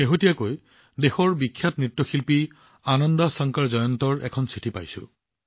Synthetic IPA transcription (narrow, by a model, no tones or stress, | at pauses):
xeɦotijakoj | dexɔɹbikʰːjatnɹitːɔxʰilpi | anɔndasɔŋkaɹzɔjɔntɔɹʔɛ̰kʰɔnsitʰipa̰jsʊ̰̃